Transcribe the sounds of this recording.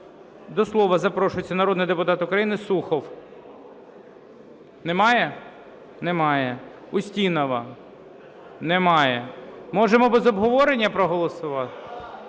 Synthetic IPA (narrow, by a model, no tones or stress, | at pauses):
d̪ɔslˠɔʋɐzɐpɾɔʃʊjet͡sʲːɐnɐɾɔd̪nɪjd̪epʊt̪ɑt̪ʊkɾɐjinɪsuxɔw | nɛmɑjɛ | nɛmɑjɛ | ʊsʲtʲinɐʋɐ | nɛmɑjɛmɔʒemɔbɛzɔbɦɔʋɔɾenʲːɐpɾɔɦɔlˠɔsʊʋɑt̪ɪ̥